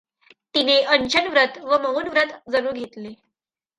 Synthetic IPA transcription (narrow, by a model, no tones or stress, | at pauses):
t̪ineʔəɲt͡ɕənʋɾət̪ʋəməɦunʋɾət̪d͡zəɾuːɾɡʱet̪le